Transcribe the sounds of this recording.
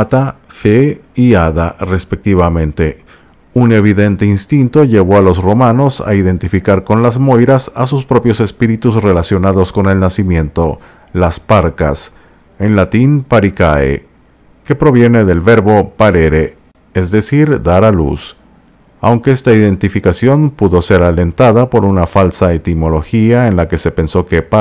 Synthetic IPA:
at̪afe | iaðare̞spe̞k̚t̪iβamẽ̞nt̪e̞ | une̞β̞iðe̞nt̪einst̪int̪o̞ʝe̞βo̞alo̞sro̞mano̞sa̰iðe̞nt̪ifikaɾko̞nlazmo̞jɾasa̰s̬uspɾo̞pjo̞sespiɾit̪uzre̞lasjo̞naðo̞sko̞ne̞lnasimjẽ̞nt̪o̞ | laspaɾka̰s | enlat̪inpaɾikaḛ | ke̞pɾo̞βje̞ne̞ðe̞lβe̞ɾβo̞paɾeɾe | ezðe̞siɾd̪aɾalṵs | a̰wŋkeest̪aiðe̞nt̪ifikasjo̞npuðo̞se̞ɾale̞nt̪aðapo̞ɾunafalsae̞t̪imo̞lo̞xiaenlake̞se̞pe̞nso̞ke̞p

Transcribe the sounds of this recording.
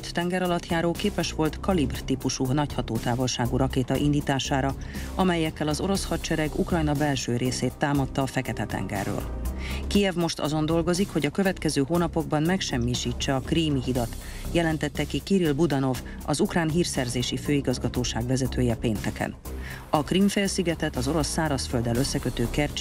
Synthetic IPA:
øt̪ːɛŋɡɛɾɒlɒt̪jaːɾoːkeːpɛʃʋo̞lt̪kɒlibrt̪ipuʃunɒchɒt̪oːt̪aːvo̞lʃaːɡuɾɒkeːt̪ɒʔind̪iːt̪aːʃaːɾɒ | ɒmɛjːɛkːɛlɒzo̞ɾo̞shɒt͡ʃɛɾɛɡukrɒjnɒbɛlʃøːɾeːseːt̪ːaːmɒt̪ːɒːfɛkɛt̪ɛt̪ɛ̰ŋɡɛ̰rːø̰ːlkijɛvmo̞ʃt̪ɒ̰zo̞nd̪o̞lɡo̞zikho̞ɟɒkø̞vɛt̪kɛzøːɦoːnɒpo̞ɡbɒnmɛkʃɛmːiːʃiːt͡ʃːɛɒkriːmiɦid̪ɒt̪ | jɛlɛnt̪ɛt̪ːɛkikiɾilbud̪ɒno̞v | ɒzukraːnɦiːrsɛrzeːʃiføːiɡɒzɡɒt̪oːʃaːɡʋɛzɛt̪ʰøːjɛpeːnt̪ɛkɛ̰n | ɒkrimfeːlsiɡɛt̪ɛt̪ɒzo̞ɾo̞sːaːɾɒsfø̞ld̪ɛløsːɛkøt̪øːkɛrt͡ʃ

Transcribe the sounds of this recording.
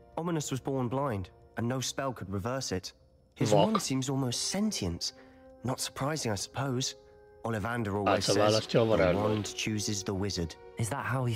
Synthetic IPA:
ɑmənəswɒzbɔɹnblãɪ̃ndə̃nːoʊspɛlˠkʰəd̚ɹɨvɜˑ˞sɪt | hɪzʌ̃n̥sĩmzɔlˠmoʊstsɛ̃ntʰiə̃ns | nətsə̥˞pʰɹ̥aɪzɪ̃ŋaɪsə̥pʰoʊz | ɔlˠɪvãndə˞ɔlɪzəaləstɔvəɾaãɪ̃nt͡ʃʰʉːzɪzðəwɪzə˞d̥ɪzðəʔ̚haʊ

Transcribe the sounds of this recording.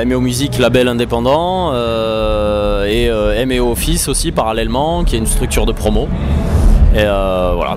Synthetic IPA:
ɛmeomyziklabɛlɛ̃d̪epɑ̃d̪ɑ̃ | ø | eøɛmeofisosipaʁalɛlmɑ̃kʲiɛynst̪χyk̚t̪yʁd̪əpχɔmo | eøvwa̰la̰

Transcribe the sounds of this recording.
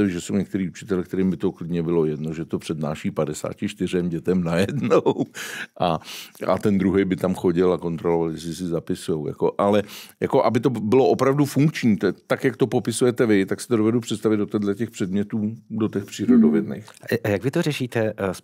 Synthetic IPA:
ɛʒɛso̞wɲɛk̚t̪ɛɾiːut͡ʃɪ̥t̪ɛlɛkt̪ɛɾiːmbɪt̪o̞klɪdɲɛbɪlo̞jɛdno̞ʒɛt̪o̞pr̥ɛdna̰ːʃiːpadɛsa̰ːcɪʃt̪ɪrɛmɟɛt̪ɛmnajɛdnowʔaa̰t̪ɛnd̪ɾuɦɛjbɪt̪amxo̞ɟɪlako̞nt̪ɾolovaljɛs̬lɪsɪzapɪsujo̞wja̰ko̞ʔalɛjako̞ʔabɪt̪o̞bɪlo̞ʔo̞pɾavdufuŋkt͡ʃɲiːt̪ɛt̪akjakt̪o̞po̞pɪsujɛt̪ɛvɪt̪aksɪ̥t̪odovɛdupr̝̥ɛt̪st̪avɪd̪dot̪ɛdlɛcɛxpr̥ɛdmɲɛt̪uːdo̞t̪ɛxpr̥iːɾodovjɛdnɛ̰jxjaɡvɪt̪orɛʃiːt̪ɛs

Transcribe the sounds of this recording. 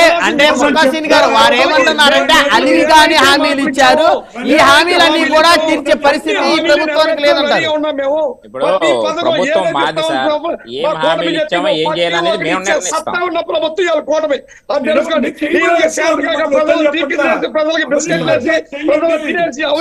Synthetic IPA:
eɐɳʈe̞ːmɐkaːʃiːniɡaːɾuʋaːɾeːmɐɳʈunːaːɾɐɳʈeːʔɐliʋiɡaːniɦaːmiːlit͡ʃːaːɾu | iːɦaːmiːlɐnːiːkuːɽaːt̪iːɾt͡ʃeːpɐɾist̪ʰit̪iiːɾɐbut̪ʋaːnikileːd̪ɐɳʈaːɾunːaːmeːmu | ɐipɐd̪ɐɐbeːɐɐaːɐɐkɔːʈɐmɐepː | ɐt̪ːɐunːɐpɾɐbʱɐt̪ːɐjaːlukɔːʈɐmɐ | ɐesɐiiet̪ikɐkɐɐd͡ʒɐltiːieːsipɾɐd͡ʒɐlɐkibiskeʈleːsipɾɐd͡ʒɐleːsiɐ

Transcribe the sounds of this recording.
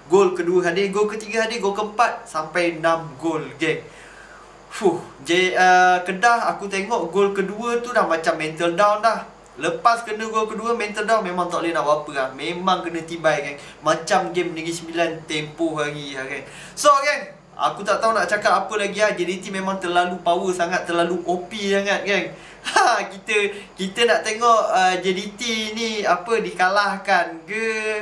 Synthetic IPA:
ɡolkəduəɦadɪhɡolkət̪iɡaɦadɪɡolkəəmpat̪̚sampajnamɡolɡɛm | fuhd͡ʒadiəkədahakut̪̬eŋɔʔɡolkəduət̪udahmat͡ʃamːɛnt̪əldawnlah | ləpaskənə̃ɡolkəduəmɛnt̪əldawnmemaŋt̪aʔlənaʔwapəahmemãŋkənə̃t̪ibajkan | mat͡ʃamɡɛmnəɡisəmbilant̪empɔhlaɡiakan | sokan | a̰kut̪aʔt̪aɦunaʔt͡ʃakat̪apəlaɡiahd͡ʒedit̪imemaŋt̪ərlalupawəsaŋat̪ːərlaluʔopisaŋat̪̚kan | akit̪əkit̪ənaʔt̪eŋɔʔəd͡ʒedit̪iniapədikalahkankə

